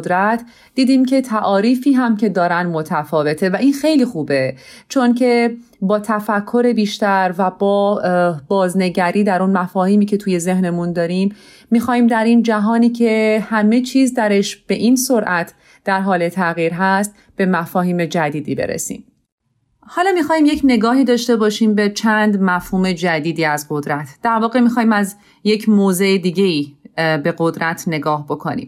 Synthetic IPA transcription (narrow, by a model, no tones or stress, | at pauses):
d̪ɾæt̪ʰ | d̥̪iːd̪iːmcʰe̞t̪ʰæʔɒːɾiːfiːɦæmce̞d̪ɒːɾænd̪mo̞t̪ʰæfɒːve̞t̪ʰe̞væʔinxejliːxuːbe̞t͡ʃʰo̞ncʰe̞ | bɒːt̪ʰæfækʰːo̞ɾe̞biːʃt̪æɾvæbɒːb̥ɒːzne̞ɟæɾiːd̪æɾunmæfɒːhiːmiːcʰe̞t̪ʰuːje̞ze̞hne̞mund̪ɒːɾimː | ixɒːhiːmd̪æɾind͡ʒæɦɒːniːcʰe̞hæme̞t͡ʃʰiːzd̪æɾe̞ʃb̥e̞ʔinsoɾʔæt̪ʰ | d̪̥æɾɦɒːle̞t̪ʰæɣiːɾɦæst̪ | b̥e̞mæfɒːhiːme̞d͡ʒæd̪iːd̪iːbḛɾḛsḭːm | hɒːlɒːmixɒːhiːmje̞cʰne̞ɡɒːhiːd̪ɒːʃt̪e̞bɒːʃiːmbe̞t͡ʃʰænd̪mæfhuːme̞d͡ʒæd̪iːd̪iːæzɢo̞d̪ɾæt̪ʰd̪̥æɾvɒːɣemixɒːhiːmæz | je̞cʰmoːze̞ed̪iːɟe̞iːbe̞ɣo̞d̪ɾæt̪ʰne̞ɡɒːhbo̞kʰo̞̰nḭːm